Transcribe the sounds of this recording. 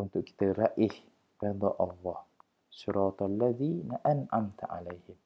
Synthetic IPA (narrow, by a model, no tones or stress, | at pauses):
ʊnt̪ʊʔkʰːi̥t̪ʰaɾaʔih | ɾɑd̪ɑʔɑlˠˤːɑːh | sʊɾʔɑːt̪alːaðiːnaʔanʕamt̪ʰʕa̰lajhɪm